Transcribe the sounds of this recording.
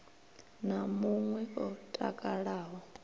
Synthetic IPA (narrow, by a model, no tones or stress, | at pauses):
namuŋwɛɔtʼa̰kʼaɺaːɦɔ